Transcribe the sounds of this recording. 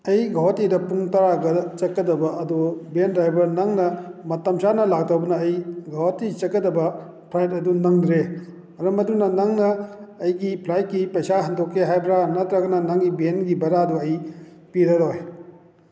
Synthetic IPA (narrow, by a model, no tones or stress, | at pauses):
ɐjɡawatidɐpuŋtɐɾaɡɐt͡ʃɐkːɐdɐbɐʔɐdubendɾajbɐɾnɐŋnɐmɐtɐmsanɐlak̚tawbɐnɐːjɡawatit͡ʃɐkːɐdɐbɐ | pʰlajtɐdunɐŋdɾe | mɐɾɐmɐdunɐnɐŋnɐːjɡipʰlajt̚kipɐjsaɦɐndokʰːeɦajbɾanɐt̪ɾɐɡɐnɐnɐŋɡibenɡibɐɾaduɐj | piɾɐɾɔj